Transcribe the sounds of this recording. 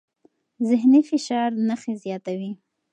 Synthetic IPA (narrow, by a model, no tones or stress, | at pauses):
zɪɦnifɪʃɑɾnaxezjɑt̪awi